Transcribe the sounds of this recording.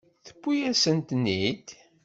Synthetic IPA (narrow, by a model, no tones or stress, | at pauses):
θə̥bːujæsənt̪nːid̪